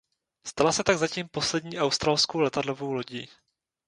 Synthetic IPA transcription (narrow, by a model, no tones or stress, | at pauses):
st̪alasɛt̪aɡzaciːmpo̞slɛdɲiːʔawst̪ɾalskowlɛt̪adlovowlo̞ɟiː